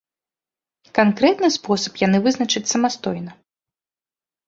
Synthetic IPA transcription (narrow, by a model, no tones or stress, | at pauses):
kankɾɛt̪nɨspɔsɐ̥pjanɨvɨznɐt͡ʂɨt͡sʲsɐmast̪ɔjnɐ